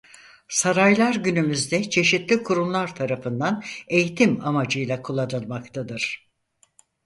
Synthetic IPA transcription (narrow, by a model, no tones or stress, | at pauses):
saɾajlˠaɾɟynymyzd̪ɛt͡ʃʰe̞ʃit̪lʲikʰuɾumlˠaɾt̪ʰaɾafɯnd̪ane̞jit̪ʰimamad͡ʒɯjlˠakʰulˠad̪ɯlˠmakt̪ʰad̪ɯɾ̥